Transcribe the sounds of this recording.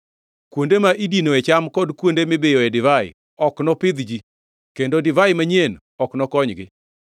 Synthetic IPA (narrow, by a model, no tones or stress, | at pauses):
kwondemaʔidinoɛt͡ʃamkɔdkwondemebejoedɪvaɪ̰ | ɔknɔpɪd̪d͡ʒi | kendodɪvaɪmaɲen | ɔknɔkɔɲɡɪ